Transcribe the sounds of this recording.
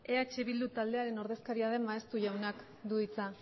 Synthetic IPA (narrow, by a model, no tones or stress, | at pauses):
e̞at͡ʃe̞βild̪ut̪ald̪e̞aɾe̞no̞ɾðe̞skaɾiaðe̞maest̪uʝawnak | d̪uit͡sa